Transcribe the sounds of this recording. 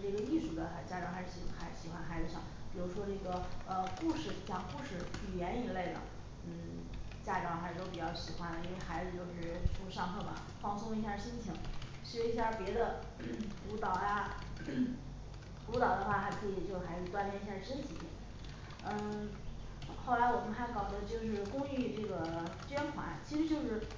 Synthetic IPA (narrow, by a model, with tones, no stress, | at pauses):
ʈ͡ʂɤ˥˩ɡə˩i˥˩ʂu˥˩d̪ə˧˦xa˧˩t͡ɕja˥˩ɻɑ˧˥xa˧˥ɪɻ̩˥˧˩ɕxa˧˥ɪ˧ɕi˨˩xwa˧˥nxa˧˥ɪd͡zɹ̩˧ʂɑ˥˩ŋpi˨˩ɻu˧˥ʂwɔ˥ʈ͡ʂɤ˥˩ɡə˩ə˧ku˥˧ʂɻ̩˥˩t͡ɕjɑ˨˩ŋku˥˧ʂɻ̩˥˩pu˨˩jɛ˧˥ni˧˨˩le˥˩ɪd̪ə̰˩ | n̩˥˩ | t͡ɕja˥˩ʈ͡ʂɑ˨˧˥ʊxɪɻ̩˧˩o˥ʊpi˨˩t͡ɕjɑ˥˩ʊɕi˨˩xwa˧˥nə˨i˥nwe˥˧ɪxa˧˥ɪd͡zɹ̩˧t͡ɕjo˥˧ʊʂɻ̩˥˩ʈ͡ʂʰu˥˧ʂɑ˥˧ŋxɤ˥˩mɐ˩ | fɑ˥˧ŋsʊ˥ŋi˧˥ɕ̬ja˥˩ɕi˥nt͡ɕʰi˧˥ŋ | ɕy˥˩˧i˥ɕja˥˧pjɛ˧˥d̪ə˧˥ | pu˧˥t̪ɑ˨˩ʊja˧ | pu˧˥t̪ɑ˨˩ʊd̪ə˦xwa˥˩xa˧˥ɪkʰɤ˧˥˩i˨˩t͡ɕjo˥˧ʊʂxa˧˥ɪɹ̩˧˩t̪wa˥npjɛ˥˧ni˧˥˩ɕja˥˩ʂə˥nt͡ɕʰi˨˩˥ | n̩˥˩˥ | xo˥˩ʊla˧˥ɪwɔ˨˩mə˦kʰa˥˩kɑ˨˩ʊd̪ə˧˥t͡ɕjo˥˧ʊʂ̬ɻ̩˥˧˩kʊ˥ŋy˥˧ʈ͡ʂɤ˥˩ɡə˩t͡ɕɥɛ˥nxwa̰˧˥t͡ɕʰi˧˥ʂɻ̩˧˥t͡ɕjo˥˧ʊʂɻ̩˥˩